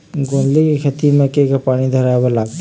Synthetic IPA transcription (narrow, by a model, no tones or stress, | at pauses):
ɡõːnlikikʰɐt̪imẽkekapaːɽ̃id̪ʱɐɾajbolaːɡ̚t̪